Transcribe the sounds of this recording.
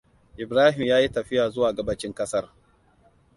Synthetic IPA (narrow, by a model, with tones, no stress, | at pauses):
ʔɪ˨bɾaː˦ɦɪ˨mjaː˦ji˦tɐ˨ɸɪ˦jaː˨zʊ˦waː˨ɡɐ˦bɐ˦t͡ʃɪ˦ŋkɐ˦sɐ˦r